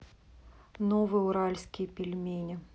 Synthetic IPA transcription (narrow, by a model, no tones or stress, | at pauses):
nɔvɨuɾalʲsʲkʲijpʲilʲmʲenʲɛ